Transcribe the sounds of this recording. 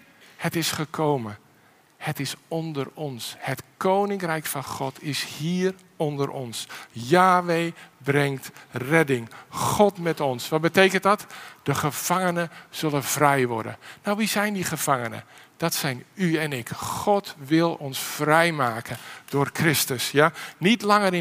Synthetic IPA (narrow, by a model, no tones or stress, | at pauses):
hətɪsχəkʰowmən | hətɪsɔndərɔnshətkownɪŋkrɛjkfɑnχɔtʰɪshiːr | ɔndərʔɔ̰nsjaːʋejbrɛŋtrɛdɪŋχɔtmɛtɔnsʋɑt̚bətejkəntdɑtd̥əχəv̥aŋənəz̥ɵləv̥rɛjʋɔ̰rdə̰nawʋizɛjndiχəv̥ɑŋənə̰d̥ɔtsɛjnyɛnɪkχɔtʋɪlˠɔnsfrɛjmaːkənd̥ʊːrkrɪstəsjanitlɑŋəɾɪ